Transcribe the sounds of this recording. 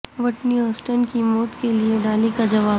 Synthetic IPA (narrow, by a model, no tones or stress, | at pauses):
ʋɐʈniɔːsʈənkimɔːt̪kelieɖaːlikad͡ʒɐʋaː